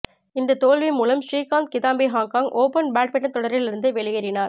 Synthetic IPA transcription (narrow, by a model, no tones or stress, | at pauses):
ɪnd̪ɐt̪oːɭʋimuːlɐmʂɾiːkaːnt̪̚kɪðaːmbiɦaːŋkaːŋʔoːpɐnbaːʈ̚pɛʈːɐnt̪ːɔɽɐɾʋɪlɪɾɯnd̪ɯʋɛɭɪɣɐɾɪnaːɾ